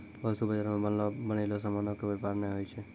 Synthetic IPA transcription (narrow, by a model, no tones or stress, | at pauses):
bəsubəd͡ʒaɾmãbəobənelosəmanokoʋɛpaɾneɦojt͡ʃʰe